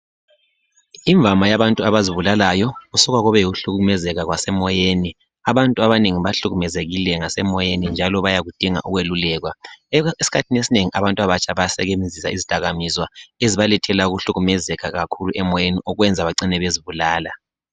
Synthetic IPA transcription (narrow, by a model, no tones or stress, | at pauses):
iɱvʱamajaβantʼuaβaziβulalajɔɣusuɣwaɣuβɛjiɣuɬuɣumɛzɛɣaɣwasɛmɔjeni | aβantʼuaβaneŋiβaɬuɣumɛzeɣilɛŋasɛmɔjenind͡ʒʱalɔβajaɣud̥ʱiŋa̰ʔuɣwelulɛːɣwaesi̥kʰatʰinesineŋiʔaβantʼuaβat͡ʃʰʼaβajasɛɣemzisa̰izid̥ʱaɣamizwaeziβalɛtʰɛlauɣuɬuɣumɛzɛɣaɣakʰuluʔɛmɔjeniɔɣwɛnd͡zʱaβaǀinɛβeziβulaːla